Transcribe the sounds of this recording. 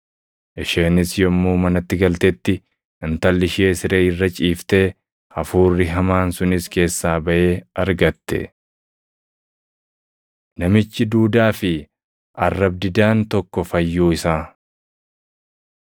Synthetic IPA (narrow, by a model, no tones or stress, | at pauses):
ʔɪʃeːnɪsjɔmːuːmɐnɐt̪ːɪɡɐlt̪ɛt̪ːɪ | ɪnt̪ɐlːɪʃe̞ːsɪɾeːɪrːɐt͡ʃʼiːft̪eː | ɐfuːrːɪɦɐmaːnsʊnɪske̞ːsːaːbɐʔe̞ːɐɾɡɐt̪ːɛ̰ | nɐmɪt͡ʃːɪd̪uːd̪aːfɪ | ʔɐ̰rːɐb̚d̪ɪd̪aːnt̪ɔkːɔfɐjːuːɪsaː